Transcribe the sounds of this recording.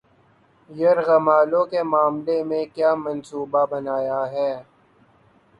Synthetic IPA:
jɐɾɣɐmaːlõkemaːmlemẽkjaːmɐnsuːbabɐnaːjaɦɛː

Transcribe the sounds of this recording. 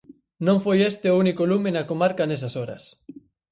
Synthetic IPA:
nõŋfojest̪eounikolumenɐkomaɾkɐnesɐsoɾɐ̰s

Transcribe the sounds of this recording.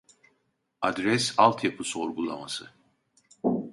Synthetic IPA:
ad̪ɾɛsalˠt̪ʰjapʰɯso̞ɾɡulˠamasɯ

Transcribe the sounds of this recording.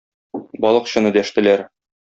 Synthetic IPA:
bɒlˠɤ̆qɕɤ̆nɤd̪æʃt̪ɘ̆læɾ

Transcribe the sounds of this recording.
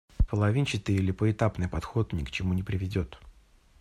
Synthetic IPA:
pəlˠɐvʲint͡ɕɪt̪ɨɾʲɪlʲɪpəɪt̪apnɨjpɐt̪xo̞t̪nʲɪkt͡ɕɪmunʲɪpɾʲɪvʲɪdʲo̞t̪

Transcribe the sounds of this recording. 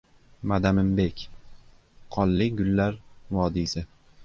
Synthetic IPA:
mad̪amɪmbekʲ | qʰɒlːɪɡʊlːaɾvɒd̪isɪ

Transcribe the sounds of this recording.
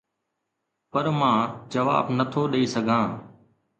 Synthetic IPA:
pəɾmãːd͡ʒəʋa̰ːbnət̪ʰoːɗeiːsəɡʱãː

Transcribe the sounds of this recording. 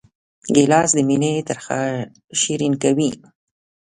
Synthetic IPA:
ɡelɑsd̪əminet̪əɾxa | ʃiɾinkawi

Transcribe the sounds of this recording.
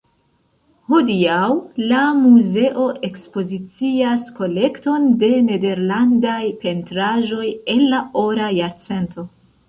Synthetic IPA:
ho̞diawlamuze̞ʔo̞ʔe̞kspo̞zit͡siasko̞le̞kto̞nde̞ne̞de̞ɾlandajpe̞ntɾaʒo̞je̞nːao̞ɾajaɾt͡se̞ntʰo̞

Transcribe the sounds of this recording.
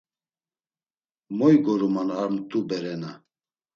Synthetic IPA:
mɔjɡɔɾumanaɾmt̪ʰʼubɛɾɛna

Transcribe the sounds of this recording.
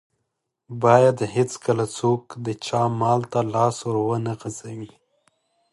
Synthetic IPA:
bɑjad̪hɪt͡skəlat͡sokd̪ət͡ʃɑmɑlt̪alɑswəɾwənaɣazawi

